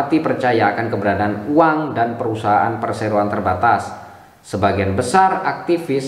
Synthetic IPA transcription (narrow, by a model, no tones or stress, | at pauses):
t̪ipərt͡ʃajaːkankəbəɾadaanuaŋdanpəɾusaɦaʔa̰npərseɾuant̪ərbat̪asː | əbaɡianbəsarak̚t̪ifɪs